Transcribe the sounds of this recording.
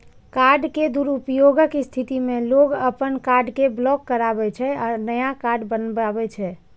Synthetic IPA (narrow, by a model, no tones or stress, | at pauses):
kaɾɖked̪uɾupjoɡəkst̪ʰit̪imeloɡəpənkaɾɖkeblɔkːəɾabɛt͡ʃʰɛɔɾnəjakaɾɖbənbabɛt͡ʃʰɛ